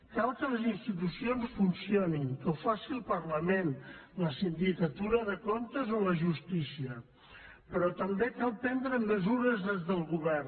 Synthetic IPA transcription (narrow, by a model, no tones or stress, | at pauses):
kalˠkələzinst̪it̪usionsfunsioniŋkəwfasiəlˠpərləmenləsind̪ikət̪uɾəðəkont̪əzoləʒust̪isiə | pəɾɔt̪əmbekalˠpɛnd̪ɾəməzuɾəzðezðəlˠɣuβɛr